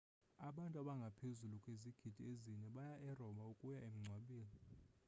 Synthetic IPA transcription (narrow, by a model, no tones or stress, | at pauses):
aɓantʼaɓaŋɡʱapʰezulukʼweziɡ̥ʱid̥ʱieziɲɛɓajaʔɛrɔmaukʼujaem̩ŋ͡ǀʱwaɓiːli